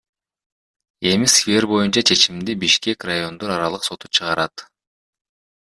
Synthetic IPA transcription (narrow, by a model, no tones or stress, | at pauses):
e̞misfʲe̞rbo̞junt͡ʃɑt͡ʃʰe̞t͡ʃimd̪ibiʃke̞krajo̞nd̪o̞ɾɑɾɑlˠɯqso̞t̪ut͡ʃʰɯʁɑɾɑt̪